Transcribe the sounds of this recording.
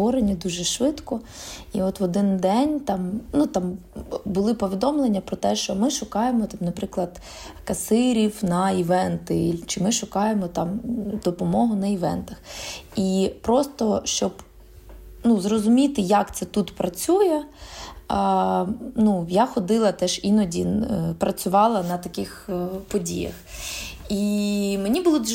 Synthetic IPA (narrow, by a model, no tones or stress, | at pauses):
ɔɾenʲid̪uʒɛʃʋɪt̪kɔiɔt̪ʋɔd̪ɪnd̪ɛnʲt̪ɑmnut̪ɑmbʊlˠɪpɔʋʲid̪ɔmlˠenʲːɐpɾɔt̪ɛʃt͡ʃɔmɪʃʊkɑjemɔt̪ɑmnɐpɾɪklˠɐd̪ | kɐsɪɾʲiwnɐiʋɛnt̪ɪlʲt͡ʃɪmɪʃʊkɑjemɔt̪ɑmd̪ɔpɔmɔɦʊnɐiʋɛ̰nt̪ɐxipɾɔst̪ɔʃt͡ʃɔb | nuzrɔzʊmʲit̪ɪjɐkt̪sɛt̪ut̪pɾɐt͡sʲujɛ | nujaxɔd̪ɪlˠɐt̪ɛʒinɔdʲipɾɐt͡sʲʊʋɑlˠɐnɐt̪ɐkɪxpɔdʲḭjɐ̰x | imenʲibʊlˠɔd̪